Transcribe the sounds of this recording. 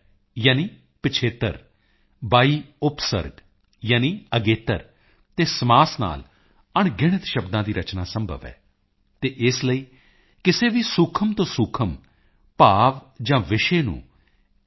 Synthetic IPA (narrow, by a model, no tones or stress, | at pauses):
jaːniː | pɪt͡ʃʰeːt̪ə̰ɾ | baːiːʊpsə̰ɾɡ | jaːniːəɡeːt̪əɾ | t̪eːsmaːsna̰ːl | əɳɡɪɽɪt̪ʃəbd̪ãːd̪iːɾət͡ʃnaːsəmbʱə̰ʋɛ̰ː | t̪eːʔɪsləiː | kɪseːʋiːsʊkʰəmt̪õːsʊkʰəm | paːʋ | d͡ʒãːʋɪʃeːnṵ̃ː